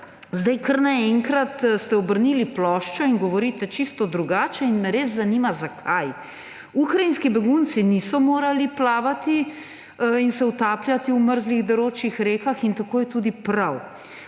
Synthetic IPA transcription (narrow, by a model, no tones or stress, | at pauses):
zd̪ajkəɾnaɛŋkɾat̪st̪ɛɔbəɾniːliplɔʃt͡ʃɔiŋɡɔʋɔɾiːt̪ɛt͡ʃist̪ɔd̪ɾuɡaːt͡ʃɛinmɛɾeːzzanimazakʰaj | ukɾainskibɛɡunt̪sinisɔmoːɾaliplaːʋat̪i | insɛut̪aːpljat̪iwməɾzliɣd̪ɔɾoːt͡ʃixɾeːkaxint̪akoːjɛt̪uːd̪ipɾaw